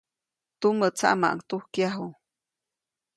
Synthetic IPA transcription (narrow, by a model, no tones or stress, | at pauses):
t̪umət͡sa̰ʔma̰ʔŋt̪uhkjaɦu